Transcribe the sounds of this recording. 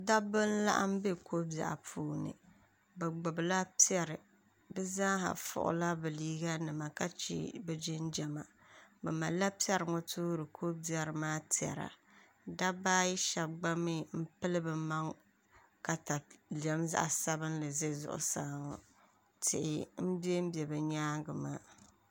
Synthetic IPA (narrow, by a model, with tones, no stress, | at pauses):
da˦bɨ˦n̩˦la̰˦ʔa̰˦m˦be˦kʰo˦bja̰˨ʔa̰˨pʰuː˦nɨ̰˨ | bɛ˨ɡ͡bʊ˨bla˦pi˦ɛ˦ɾɨ˨ | bɨ˦za˦ɦa̰˨fʊ̰˨ʔʊ̰˨la˦bɨ˨liː˦ɡa˦nɨ˨ma˨ka˦t͡ʃḭ˦bɛ˦d͡ʒɪ˦nd͡ʒa˨ma˨ | bɛ˨ma˨la˦pi˦ɛ˦ɾɨ˨ŋɔ˦tʰuː˦ɾɨ˨kʰo˦bi˨˦a˦ɾɨ˨maː˦ti˨ɛ̰˨ɾa̰˨ | da˦baː˦ji˦ʃa˨b̚ɡ͡ba˦mi˦m̩˦pɨ˦lɨ˦bɨ˨ma˦ŋ | ka˨ta˨lɛ˦mza̰˦ʔa˨sa˦bɨ˦n˦lɨ˨ze˦zʊ̰˦ʔʊ̰˨saː˦ŋɔ̰˨ | tʰɪ̰˨ʔɪ̰˨m̩˦bje˦m̩˦bɛ˨bɛ˨ɲaː˦ɡɨ˨maː˦